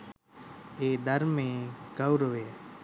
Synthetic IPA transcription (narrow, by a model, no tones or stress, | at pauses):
eːd̪əɾmẽːɡəwɾoʋeː